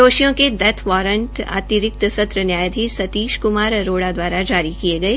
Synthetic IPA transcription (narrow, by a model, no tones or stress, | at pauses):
oːʃijõked̪ɐt̪ʰʋɔːɾə̃ɳʈa̰ːt̪iɾɪk̚t̪sɐt̪ɾənjaːjd̪ʱiːsɐt̪iːʃkʊmaːɾɾoːɽad̪waːɾad͡ʒaːɾikieɡɐeː